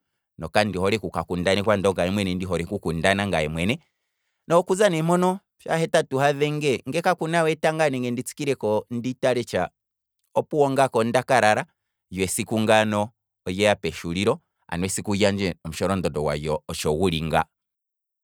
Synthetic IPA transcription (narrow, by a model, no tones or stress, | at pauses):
nɔkandihɔɾɛkukakundanɛkwandɔŋɡajɛmwɛnɛndiɦɔɾɛkukundanaŋɡaɛmwɛnɛ | nɔkuzanɛmɔnɔ | fja̰hɛtatuhaðɛŋɡɛŋɡɛkakunawɛtaŋɡanɛŋɡɛndit͡si̥kiɾɛkɔnditaɾɛt͡ʃa̰ | ɔpuwɔŋɡakɔndakaɾaɾa | jwɛsikuŋɡanɔː | jɛjapɛʃuɾiɾɔ | a̰nwɛsikujand͡ʒɛɔmuʃɔɾɔndɔdɔwa̰jɔːt͡ʃɔwuɾiŋɡa̰